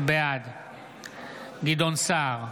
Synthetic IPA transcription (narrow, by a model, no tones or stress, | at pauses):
bead̪ | ɡid̪onsaʁ